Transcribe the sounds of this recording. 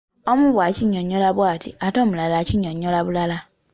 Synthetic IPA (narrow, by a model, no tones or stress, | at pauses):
ɔmũbwat͡ʃiɲɔ̃ɲɔ̃labuatḭatɔm̩lalat͡ʃiɲɔ̃ɲɔ̃labulala